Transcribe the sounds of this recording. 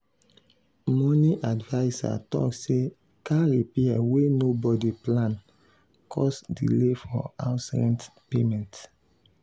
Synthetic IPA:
mɔniʔadvaɪsa̰tɔ̰kse | kaɹipiɛwenobɔdiplãn | kʰɔsdḭlefɔ̰asɛ̰̃ntpemɛ̃nt

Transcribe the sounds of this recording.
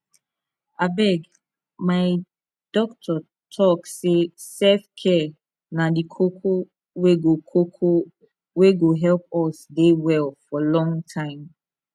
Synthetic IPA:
abɛɡ | maɪ | d̥ɔk̚tʰɔ | tʰɔksesɛfkʰɛ | nadikʰokʰo | weɡokʰokʰo | weɡoɦɛlp̚ɔsdewɛlfɔlɔ̃ŋtʰãɪ̃m

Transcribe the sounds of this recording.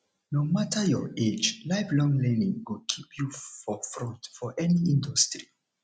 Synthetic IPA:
nomatʰəjɔ̰ed͡ʒlaɪflɔ̃ŋlɛ̃nĩŋwukʰipʰjufɔfɹɔ̃ntfɔʔɛniĩndustɹi

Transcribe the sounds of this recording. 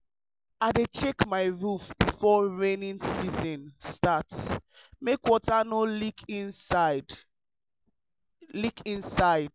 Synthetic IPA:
aɪdet͡ʃekmaɪɹufb̥ifɔɹẽnĩnsizɔ̃nstatsmekwɔtanolikʰĩnsd | likʰĩnsaɪd̥̚

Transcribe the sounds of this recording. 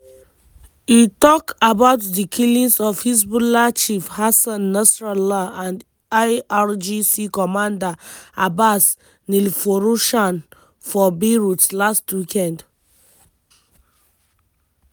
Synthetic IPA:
jitɔkabaʊtdikʰilĩnsɔfhis̬bulat͡ʃifhasãnːasɹalaãnd | aaɹd͡ʒisikɔmãndaabas | nilfoɹuʃãn | fɔbiɹutlastwikɛ̃nd

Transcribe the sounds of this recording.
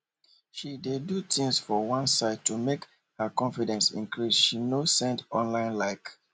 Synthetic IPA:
ʃidedutĩŋsfɔwãnsaɪd̚tʰumek | həkɔ̃ɱfidɛ̃nsḭ̃ŋkɹisʃinosɛ̃ndɔ̃nlãɪ̃nlaɪk

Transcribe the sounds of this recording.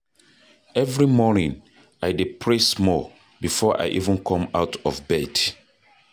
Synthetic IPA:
ɛvɹimɔnĩŋ | ajdepʰɹɛsmɔ | bifɔʔa̰ɪʔḭvə̃nkʰɔ̃maʊtʰɔvbɛd̥

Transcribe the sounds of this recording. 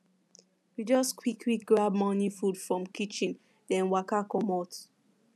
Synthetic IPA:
wid͡ʒɔskʰwikʰlik̚ɡɹab̚mɔnifudfɹɔ̃mkit͡ʃĩn | dɛ̃nwakakɔmɔt

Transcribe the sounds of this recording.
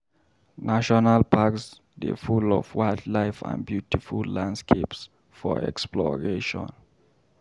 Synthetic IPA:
naʃɔnalpʰaks | də̰fulɔvwajdlaɪfã̰nbjutifulːãndskʰeps | fɔɛ̰ksplɔɹeʃɔ̰̃n

